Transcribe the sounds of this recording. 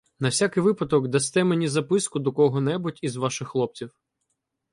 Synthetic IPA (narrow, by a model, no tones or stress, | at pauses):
nɐwsʲakɪjʋɪpɐd̪ɔkd̪ɐst̪ɛmenʲizɐpɪskʊd̪ɔkɔɦɔnɛbʊtʲizʋɑʃɪxːlˠɔp̚t͡sʲiw